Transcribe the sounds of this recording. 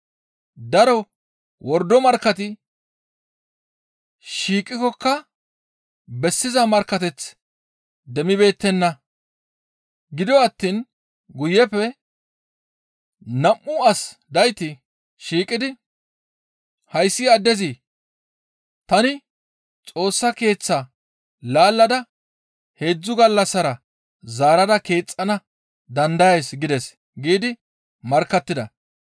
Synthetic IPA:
d̪ɐɾɔ | wʔɔɾd̪ɔmɐɾkːɐt̪ɪ | ʃiːkʼːɪkɔkːɐ | bɛsːɪzɐmɐɾkːɐt̪ɛt͡s | d̪ɛmɪbe̞ːt̪ːɛnːɐ | ɡɪd̪ɔɐt̪ːiːn | ɡʊjːɛfɛ | nɐmːʊɐsd̪ɐjt̪ɪ | ʃiːkʼɪd̪ɪ | hɐjsːɪɐd̪ːɛzi | t̪ɐnɪ | t͡sʼo̞ːsːɐke̞ːt͡sːɐ | laːlːɐd̪ɐ | he̞ːd͡zːʊɡɐlːɐsːɐɾɐ | zaːɾɐd̪ɐke̞ːt͡sʼːɐnɐ | d̪ɐnd̪ɐjeːsɡɪd̪ɛs | ɡiːd̪ɪ | mɐɾkːɐt̪ːɪd̪ɐ̰

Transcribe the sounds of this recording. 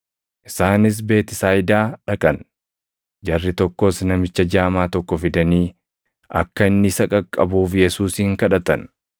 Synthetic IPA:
ʔɪsaːnɪs̬be̞ːt̪ɪsaːjɪd̪aːᶑɐkʼɐn | d͡ʒɐrːɪt̪ɔkːɔsnɐmɪt͡ʃːɐd͡ʒaːmaːt̪ɔkːɔfɪd̪ɐniː | ɐ̰kːɐɪnːɪsɐkʼɐkʼːɐbuːfjɛsuːsiːŋkɐᶑɐt̪ɐn

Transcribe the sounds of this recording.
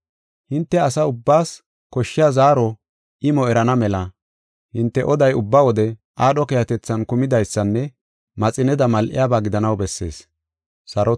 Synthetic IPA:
hɪnt̪ːɛɐsɐʊbːaːs | kɔʃːɪjazaːɾɔ | ɪmɔɛɾɐnɐmɛlɐ | hɪnt̪ːɛʔɔd̪ɐjʊbːawɔd̪ɛʔaːɗɔkɛjɐt̪ɛt͡sːɐnkʊmɪd̪ɐjsːɐnːɛ | mɐt͡sʼɪnɛd̪ɐmɐlʔɪ̰jabaːɡɪd̪ɐnɐwbɛsːe̞̰ːs | sɐɾɔ

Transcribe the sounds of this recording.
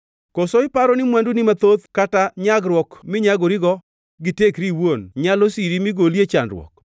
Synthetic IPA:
kosɔɪpaɾɔnɪmwandunimat̪od̪kataɲaɡɾwɔkmɪɲaɡoɾiɡɔ | ɡɪtekɾiwonɲalosiɾimiɡoljet͡ʃanɾwɔ̰k̚

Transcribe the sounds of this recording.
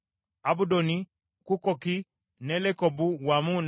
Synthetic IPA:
abudoni | kukɔki | nɛlɛkɔbuwamun

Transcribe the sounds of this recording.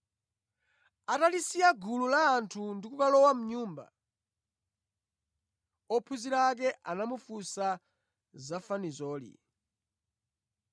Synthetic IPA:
atalisiaɡululaːntʰundikukalɔwam̩ɲuːmba̰ | ɔpʰuziɾak̬ɛʔanamufusa | zafanizɔːlḭ

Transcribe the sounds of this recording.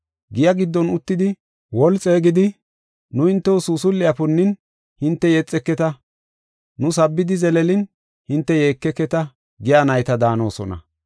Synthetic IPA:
ɡɪjɐɡɪd̪ːɔnʊt̪ːɪd̪ɪ | wɔlt͡sʼeːɡɪd̪ɪ | nʊhɪnt̪ːɛwɔsuːsʊlːɪɐpʊnːɪn | hɪnt̪ːɛjɛt͡sʼːɛkːɛt̪ɐ | nʊs̬ɐbːɪd̪ɪzɛlɛlɪn | hɪnt̪ːɛjeːkːɛkːɛt̪ɐ | ɡɪjaːnɐjt̪ɐd̪aːno̞̰ːsɔ̰nɐ̰

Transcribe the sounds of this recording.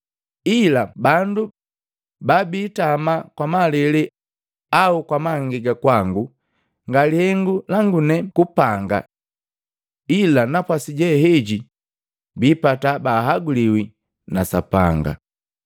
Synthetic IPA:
ilabandu | babiːtamakwamalɛlɛ | aukwamaŋɡiɡakwaŋɡu | ŋɡalihɛŋɡulaŋɡunɛkupaŋɡa̰ | ilanapwasiɟɛɦɛɟi | biːpatabaːɦaɡuliwi | nasa̰pa̰ŋɡa̰

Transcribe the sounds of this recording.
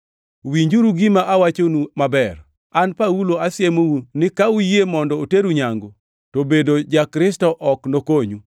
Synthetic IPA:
wiɲd͡ʒuɾuɡimaʔawat͡ʃonumabɛr | anpauloasɪemounɪkaujemɔndɔoteɾuɲaŋɡo | tobedod͡ʒakɾɪstɔʔɔknokoɲu

